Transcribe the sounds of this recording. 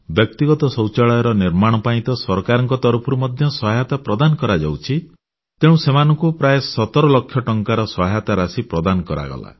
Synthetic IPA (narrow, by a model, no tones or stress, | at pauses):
bjɔk̚t̪iɡɔt̪ɔsɔwt͡ʃaɭɔjɔɾɔniɾmaɽ̃ɔpaĩt̪ɔsɔɾkaɾɔŋkɔt̪ɔɾupʰɔɾumɔd̪ʱjɔsɔɦajat̪apɾɔd̪anɔkɔɾad͡ʒawt͡ʃʰi | t̪eɽ̃ũsemanɔŋkupɾajesɔt̪ɔɾɔlɔkʰːjɔʈɔŋkaɾɔsɔɦajat̪aɾasipɾɔd̪anɔkɔɾa̰ɡɔ̰la̰